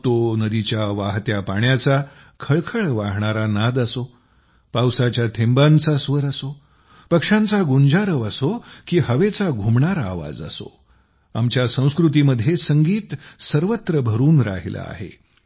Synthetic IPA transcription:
t̪onəd̪it͡ɕjaʋaɦt̪japaɳjat͡sa | kʰəɭkʰəɭʋaɦɳaɾanad̪əso | pawsat͡ɕjat̪ʰembãnt͡sasʋəɾəso | pəkʂãnt͡saɡund͡zaɾəʋəsokiːɦəʋet͡saɡʱumɳaɾaaʋa̰d͡zə̰so̰ | amt͡ɕjasə̃w̃skɾut̪̬iməd̪ʱːjesəŋɡiːt̪səɾʋət̪ɾəbʱəɾuːnɾa̰ɦila̰a̰ɦḛ

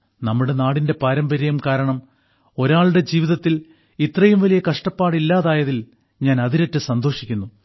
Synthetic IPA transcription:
nɐmːuɽe̞naːɽinde̞paːɾɐmbɐɾɐjɐmkaːɾɐɳɐm | o̞ɾaːɭɽe̞d͡ʑiːʋiðɐt̪ːil | it̪rɐjumʋɐlijɐkɐʂʈɐpːaːɽilːaːðaːjɐðil | ɲaːnɐðiɾetːɨsɐnd̪o̞ːʂikʲːunːu

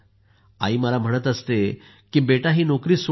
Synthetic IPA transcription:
a̰iːməlam̤əɽ̃ət̪əst̪e | kiːbeʈaɦiːnɔkɾiːs

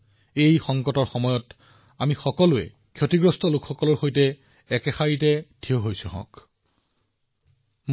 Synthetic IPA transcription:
ejxɔŋkɔtɔɹxɔmɔjɔt | amixɔkɔlʊɛ̰ | kʰjotiɡɹɔstɔlʊkxɔkɔlɔɹxojtɛ | ɛkɛxaɹit̬ɛdʰioɦojsʊɦɔ̰̃k | m

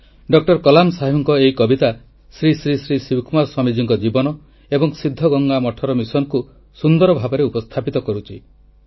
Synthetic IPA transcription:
ɖɔk̚ʈɔɾkɔlamsaɦiɔŋkɔeikɔbit̪a | sɾisɾisɾisiwkmaɾswɔmid͡ʒiŋkɔd͡ʒibɔnɔ | ebɔŋsid̪ʱːɔɡɔŋɡamɔʈʰɔɾɔmisɔnku | sund̪ɔɾɔbʱabɔɾeupɔst̪ʰapit̪ɔkɔɾut͡ʃʰi

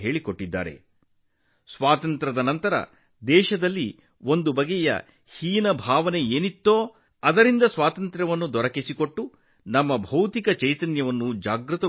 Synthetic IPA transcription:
ɦe̞ːɭikoʈːid̪ːa̰ːɾḛ | sʋaːt̪ɐnt̪ɾɐd̪ɐnɐnt̪ɐɾɐ̰ | d̪ɛːʃɐd̪ɐlːi | o̞nd̪ubɐɡɛjɐ̰ | hiːnɐbʱaːʋɐne̞eːnit̪ːoː | ɐd̪ɐɾind̪ɐsʋaːt̪ɐnt̪ɾɐʋɐnːud̪ɔɾɐkisiko̞ʈːu | nɐmːɐbʱɐwt̪ikɐt͡ʃɐjt̪ɐnjɐʋɐnːud͡ʒaːɡɾɨt̪ɐ

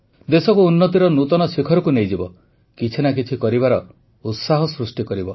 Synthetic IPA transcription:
d̪esɔkuːnːɔt̪iɾɔnut̪ɔnɔsikʰɔɾɔkunejd͡ʒibɔ | kit͡ʃʰinak̬it͡ʃʰikɔɾibaɾɔ | ut̪saɦɔsɾusʈikɔɾibɔ

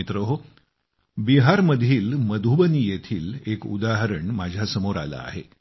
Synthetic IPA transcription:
it̪ɾəɦo | biɦaɾməd̪ʱiːlməd̪ʱubəniːjet̪ʰiːlekṵd̪aɦəɾəɳmad͡ʑʱjasəmoɾa̰la̰a̰ɦe

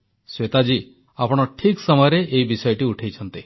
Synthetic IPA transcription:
swet̪ad͡ʒi | apɔɽ̃ɔʈʰiksɔmɔjɔɾeʔeibisɔjɔʈiuʈʰejt͡ʃʰɔnt̪i

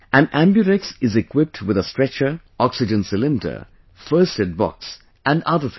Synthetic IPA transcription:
ʔæ̃næ̃mbjuɾɪksɪzɪkʰwɪp̚tʰwɪðəstɹ̥ɛt͡ʃə˞ | ɔksɨd͡ʒə̃nsɪlɪ̃mɪtə̰ | fɜ˞stɨd̚bɔ̰ks | æ̃nʌðə

